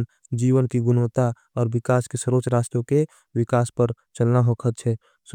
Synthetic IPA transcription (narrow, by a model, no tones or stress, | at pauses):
n | d͡ʒiːʋənkiɡʊnot̪a | ɔːɾwɪkaːskesəɾoːt͡ʃɾaːst̪õke | ʋɪkaːspəɾ | t͡ʃəlnaɦokʰət̪̚t͡ʃʰɛ | s